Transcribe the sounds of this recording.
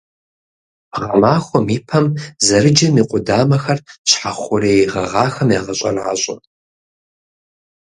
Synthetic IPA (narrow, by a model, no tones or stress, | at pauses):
ʁɐmaːxʷɔmiːpʰɐmzɐrɨd͡ʒɐmiːqʷʼʊdaːmɐxɐrɕħaχʷʊreːjiʁɐʁɑːxɐmjaːʁɐɕʼɐ̰ra̰ːɕʼɐ